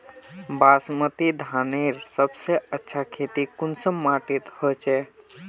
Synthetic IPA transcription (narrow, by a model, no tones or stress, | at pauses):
baːsmət̪id̪ʱaːneːɾsəbseətːʃʰakʰeːt̪ikʊnsəmːaːʈit̪hət͡ʃeː